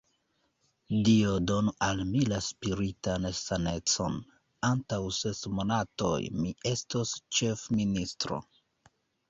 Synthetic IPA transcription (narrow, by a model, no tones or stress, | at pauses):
diodo̞noʔalmilaspiɾitansane̞t͡so̞n | antawse̞smo̞nato̞̰jmie̞stost͡ʃe̞fministɾo̞̰